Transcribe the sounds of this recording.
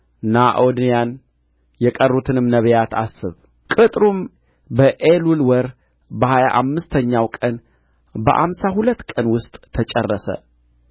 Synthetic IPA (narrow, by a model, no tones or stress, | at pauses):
naʔod̪njan | jɛkʼərːut̪ʰɨnɨmnəβjat̪ʰasːɨ̰β | kʼɨt̪ʼɾum | bəʔelulwɔɾ | bəhaja̰ʔamːɨst̪ʰəɲːawkʼən | bə̰ʔa̰msahulət̪ːkʼənwʊst̪ʼːʰət͡ʃʼɛrːəsə̰